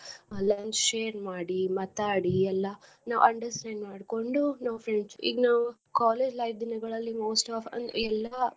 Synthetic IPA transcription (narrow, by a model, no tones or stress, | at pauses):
lɐnt͡ʃʃeːɾmaːɽimɐt̪aːɽiɛlːɐ | na̰ːʋɐ̰ɳɖɐɾsʈaːɳɖmaːɖko̞ɳɖunɐʋfʰɾeɳɖsḭːɡnaːʋu | kaːleːd͡ʒlɐjʋd̪inɐɡɐɭɐlːimoːsʈaːfɐ̰nɛlːɐ